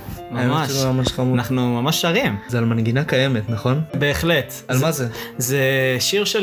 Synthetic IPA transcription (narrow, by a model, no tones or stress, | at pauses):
mamamamaʃχamunaχnumamaʃːaʁimzealmanɡinakajemet̪naχo̞nbe̞ːχlet̪almazezeʃiʁʃe